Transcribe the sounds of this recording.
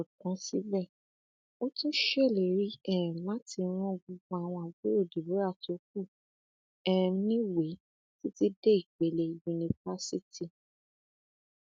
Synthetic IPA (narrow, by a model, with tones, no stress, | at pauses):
kã˨˦si˦bɛ˦˨ | o˦tĩ˦ʃe˦˨le˨ɾi˨˦ɛ˦˨ɛ̃˨la˦ti˧˦ɾ̃ɔ̃˦˨ɡ͡bu˧ɡ͡ba˧˦a˨w̃ɔ̃˧a˨ɡo˦o˦˨di˨be˨˦ɾa˦˨to˨˦k̚u˦˨ | ɛ˦˨˦nĩ˦we˨˦ | ti˦ti˦de˦i˨ɡ͡be˨le˨ju˧nĩ˧fa˦si˦ti˦˨